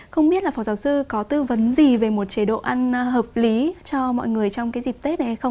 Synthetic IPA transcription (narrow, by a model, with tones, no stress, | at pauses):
xə˧wŋ͡mɓi˦˥ət̚laː˨˩fɔː˨˩wzaː˨˩wsɨ˧kɔ˨˦t̪ɨ˧və˨˦nzi˨˩ve˨˩mo˨˩t̚t͡ɕi˨˧˦ɗo̰˧˨ʔa˧nɦəː˨˩p̚li˨˦t͡ɕɔ˧mɔ̰˧˨jŋɨ˨˩əjt͡ɕɔ˧wŋ͡mkaː˨˦zi˨˩k̚t̪e˦˥t̚ʔa˨˧˩ha˧jxə˧ŋ͡m